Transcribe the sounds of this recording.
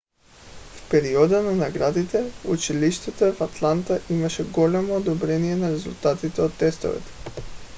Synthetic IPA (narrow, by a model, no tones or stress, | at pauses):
fpɛɾiɔd̪ananaɡɾad̪it̪ɛut͡ʃiliʃt̪ɛt̪ɛvat̪lˠant̪aʔimaʃɛɡɔlɛmoːd̪obɾɛnijɛnaɾɛzulˠt̪at̪it̪ɛot̪ːɛst̪o̰vɛ̰t̪ɛ̥